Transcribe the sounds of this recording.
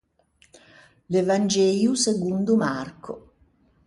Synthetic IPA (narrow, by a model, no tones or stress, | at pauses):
levand͡ʒɛːjuseɡund̪umarkʊ̰